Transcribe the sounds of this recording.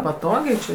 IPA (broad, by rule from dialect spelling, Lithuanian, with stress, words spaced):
pɐˈtoːɡʲɛɪ t͡ʃʲɪ